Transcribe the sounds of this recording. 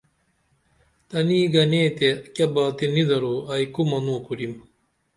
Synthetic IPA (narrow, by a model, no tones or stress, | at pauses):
t̪ɐniːɡɐneːt̪ekɐbaːt̪inid̪ɐɾoːɐikumɐnõːkuɾim